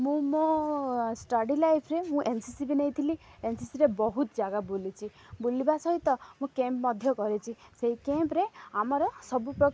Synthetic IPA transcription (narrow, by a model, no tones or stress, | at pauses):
mũmo | sʈɔɖilajpʰɾemũʔensisibinejt̪ʰiliensisiɾebɔɦut̪d͡ʒaɡabolit͡ʃʰi | bulibasɔɦit̪ɔmũkempmɔd̪ʱjɔkɔɾit͡ʃʰiseɦikempɾeamɔɾɔsɔbupɾɔ